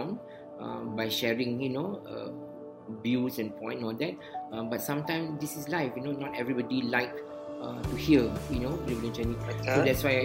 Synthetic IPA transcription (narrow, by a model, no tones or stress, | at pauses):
n | ʌ̰baɪʃɛɹĩŋjunoʌ̰ | bjusɛ̃npʰɔ̰̃ɪ̃nɔldɛt̚ʌ̃batsãmtãɪ̃msdisislaɪfjunonɔtɛvɹibɔdilaɪk̚ | ʌtuhiəjunoibəlĩnd͡ʒɛnĩsodɛtswaɪ